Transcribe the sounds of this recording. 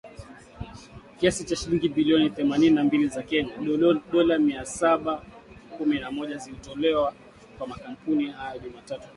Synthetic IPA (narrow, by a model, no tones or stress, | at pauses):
kiasit͡ʃaʃiliŋɡiɓiliɔniθɛmanininambilizakɛɲaɗɔlamiasaɓakuminamɔʄazilitɔlɛwa | kwamakam̩punihajɔʄumatatu̥